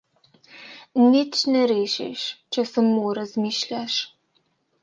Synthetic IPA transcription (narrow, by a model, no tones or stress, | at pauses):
niːt͡ʃnɐɾeːʃḛʃt͡ʃʰɐsɨmːoɾɐzmiːʃɬʲaʃ